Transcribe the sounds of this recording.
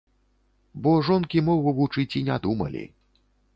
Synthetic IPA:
bɔʐɔnkʲimɔɣuvut͡ʂɨt͡sʲinʲad̪umɐ̰lʲḭ

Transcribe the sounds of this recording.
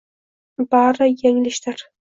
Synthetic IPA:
baɾɨjeŋlɪʃd̪ɪɾ

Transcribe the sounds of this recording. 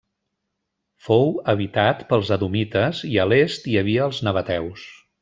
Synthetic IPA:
fowəβit̪at̪pəlˠzəðumit̪əziəlest̪iəβiəːlˠznəβət̪ɛws

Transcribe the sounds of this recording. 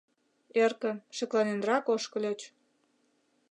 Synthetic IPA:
erkə̆ʃĕklɑnenrɑkoʃkə̆lʲet͡ɕ

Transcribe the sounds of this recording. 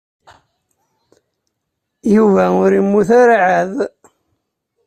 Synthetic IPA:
juvæʊɾimːuθaɾaʕað

